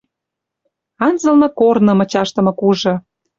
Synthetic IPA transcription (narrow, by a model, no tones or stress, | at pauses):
ɑnzə̆lnɤ̆kornɤ̆mə̆t͡ɕɑʃt̪ə̆mɤ̆kuʒɤ̆